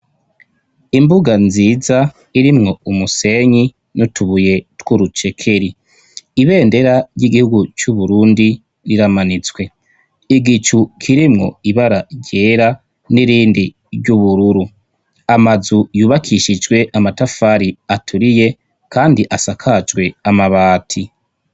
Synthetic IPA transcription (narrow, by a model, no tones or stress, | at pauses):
imbuɡanziːza | iɾimŋo̞umuse̞ɲi | nutuβuje̞twuɾut͡ʃe̞kʰe̞ɾi | iβe̞ːnde̞ɾaɾjiɡihuɡut͡ʃuβuɾuːndi | ɾiɾamanit͡swe̞ | iɡit͡ʃukʰiɾimŋo̞̰iβaɾaɟeːɾa | niɾiːndi | ɾɟuβuɾuɾu | amazujuːβakʰiʃid͡ʒwe̞ʔamatafaɾiatʰuɾije̞ | kʰaːndiʔasakʰad͡ʒɡwe̞amaβaːtʰi